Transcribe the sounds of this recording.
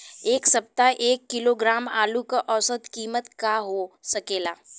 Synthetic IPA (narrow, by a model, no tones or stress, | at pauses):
eːksɐp̚t̪aʔeːkːɪloːɡɾaːma̰ːlukaʔɔːsəd̪kiːmət̪kaɦosɐkeːlaː